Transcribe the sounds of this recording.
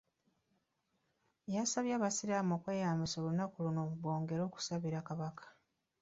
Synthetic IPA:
jasaβjaːβasiɾaːmo̞ːkwe̞ːjaːmiso̞ːlunakuluno̞ːuβwo̞ːŋɡe̞ɾo̞ːku̥saβiɾakaβakʰḁ

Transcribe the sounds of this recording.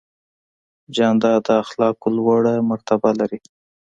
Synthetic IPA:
d͡ʒɑnd̪ɑd̪əaxlɑkolwaɽamaɾt̪abalaɾi

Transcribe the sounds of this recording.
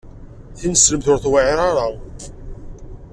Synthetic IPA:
θinəsləmθʊɾθwaʕiɾˤɑɾˤɑ

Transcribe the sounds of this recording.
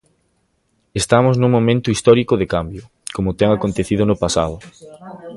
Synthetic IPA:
est̪amʊznuŋmomẽnt̪ʊist̪ɔɾikʊðekambjʊ | komʊt̪ɛŋakont̪eθiðʊnʊpasa̰ðʊ

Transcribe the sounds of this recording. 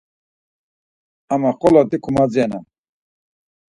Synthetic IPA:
amaχɔlɔt̪ikʰumad͡ziɛna

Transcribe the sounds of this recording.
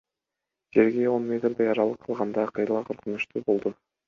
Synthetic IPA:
d͡ʒe̞ɾɡʲe̞o̞nmʲe̞t̪rd̪ejɑɾɑlˠɯqʰːəlˠʁɑnd̪ɑqʰɯjlˠɑqʰoɾqunuʃt̪ubo̞lˠd̪u

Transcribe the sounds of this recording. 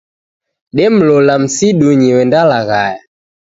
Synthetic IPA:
ɗɛm̩lɔlam̩siɗuɲiwɛndalaɣaja

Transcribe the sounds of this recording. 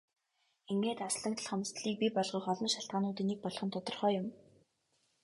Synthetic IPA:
eŋɡeːt̪asɮə̆ŋt̪ə̆ɮχɔm̆st̪ɮiːk̚pʲipɔɮʁiːχɔɮɞ̆nʃaɬt̪̚ɢaːnʊːt̪ĭːnek̚pɔɮχɞ̆nt̪ʰʊt̪ɞ̆rχœːjʊm

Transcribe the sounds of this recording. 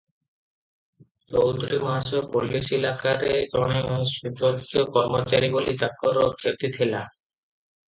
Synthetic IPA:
t͡ʃowt̪ɾimasopolːiʃelakaɾed͡ʑɔɽ̃eʃud̪ot̪okɔɾmot͡ɕaɾibolid̪ak̚kɔɾokʰːeɾt̪it̪ʰela

